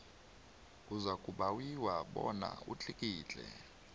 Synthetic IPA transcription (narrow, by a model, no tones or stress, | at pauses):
kʼuzakʼuɓawiwaɓɔna̰ut͡ɬʰʼikʼiːt͡ɬʼɛ̰